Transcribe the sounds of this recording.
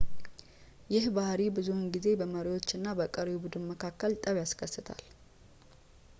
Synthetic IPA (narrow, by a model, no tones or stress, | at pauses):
jɪhbahɾibɨzuhɨnɡize̞bəməɾiwo̞t͡ʃːɨnːabəkʼəɾibud̪ɨnməkʰakːəlt̪ʼəβjaskʰəsːɨt̪ʰa̰l